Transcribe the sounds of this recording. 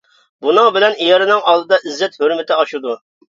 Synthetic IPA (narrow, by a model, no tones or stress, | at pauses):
bunɨŋbɪlɛnijɑɾɨnɨŋɑlˠd̪ɨd̪ɑʔizːɛt̪høɾmɪt̪ʰɪɑʃud̪u